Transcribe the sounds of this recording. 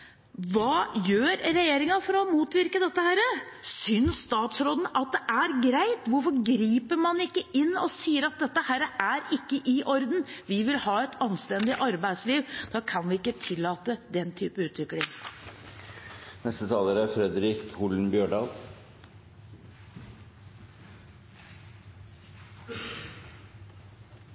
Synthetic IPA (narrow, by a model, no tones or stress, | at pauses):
ʋɑːjøːɾɾɛjeːɾɪŋɑfɔɾɔmuːt̪ʋɪɾkəd̪ɛt̪ːəhæːɾəsʏnsst̪ɑːt̪sɾoːd̪nʔɑt̪̚d̪ɛʔæɾɡɾæɪt̪ʋʊɾfɔɾɡɾiːpəɾmɑnɪkːəʔɪnːɔsiːəɾɑt̪̚d̪ɛt̪ːəhæːɾəʔæɾɪkːəʔɪʔɔɾd̪n̩ʋɪʋɪlhɑːɛt̪ʰɑnst̪ɛnd̪ɪʔɑɾbæɪd̪sliːʋd̪̥ɑːkʰɑnʋɪɪkːət̪ʰɪlːɑːt̪əd̪ɛnt̪ʰyːpəʉːt̪ʋɪklɪŋ | nɛst̪ət̪ʰɑːləɾæɾfɾɛd̪ɾɪkʊln̩bjøːɖɑːl